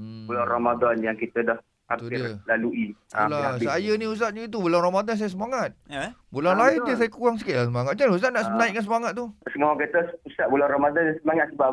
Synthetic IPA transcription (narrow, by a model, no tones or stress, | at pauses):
ularamadɔnjaŋkit̪ədah | hatp̪uɪlaluʔialasajanius̬t̪at̪̚ɲəit̪̬ubulanromadans̬ajas̬əmaŋat̪̚bulanlaid̪əsajakuɣaŋsəkiasəmaŋat̪̚t͡ʃanus̬at̪̚naʔsmənaɪkans̬əmaŋat̪̚ːusəŋakat̪əusaʔ̚bulaɾamadɔnsəmaŋat̪̚səba